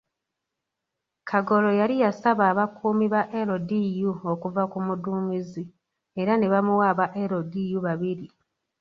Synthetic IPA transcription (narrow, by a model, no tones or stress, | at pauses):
kʰaɡo̞lo̞jalijasaβaːβakʰuːmiβaʔe̞ɾo̞dijuokuvakumuduːmizi | e̞ɾane̞βamuwaːβaʔeɾodijuβaβiɾi